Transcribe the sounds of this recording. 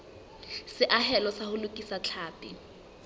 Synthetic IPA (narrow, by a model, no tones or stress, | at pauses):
sɪʔaɦɛlɔsahʊlʊkʼisat͡ɬʰaːpʼɪ